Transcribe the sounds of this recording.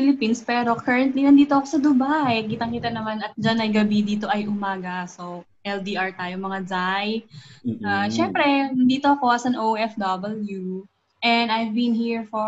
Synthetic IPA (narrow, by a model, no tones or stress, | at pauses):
filɪpinspɛːɾo̞kʰɛɹɐnt̪linɐnd̪iːt̪oʔɐkosɐd̪ʊbajkiːt̪ɐŋkiːt̪ɐnɐmanɐt̪̚d͡ʒanɐjɡɐbid̪iːt̪o̞ʔɐjʔʊmaːɡɐso | ʔɛld̪iʔaɹt̪aːjomɐŋad͡ʒajʔaʃɛmpɾɛd̪iːt̪o̞ɐko̞ʔɐsɐnʔowʔɛfd̪ɐbɐlju | ʔɛnd̪ajvbinhiɹfo